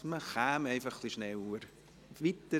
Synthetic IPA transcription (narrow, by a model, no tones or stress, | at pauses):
məχæːmɛɪfɑχːliʃnɛwuəɾ | ʋit̪ə